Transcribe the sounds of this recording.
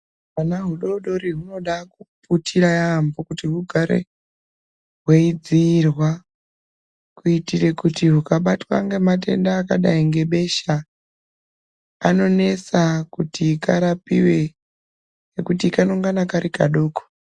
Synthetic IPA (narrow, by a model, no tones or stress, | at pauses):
anaɦuɗo̞ɗo̞ɾiɦuno̞ɗakuputʰiɾajambokutiɦuɡʱaɾe̞̰ | ɦweid͡ziːrwa | kuitire̞kutiɦukaɓatwa̰ŋɡemate̞̰ndaːkaɗaiŋɡe̞ɓe̞ʃa | a̰no̞ne̞t͡sakutiːkaɾapiwe̞ | nekutiːkanoŋɡanakaɾikaɗo̞ːko̥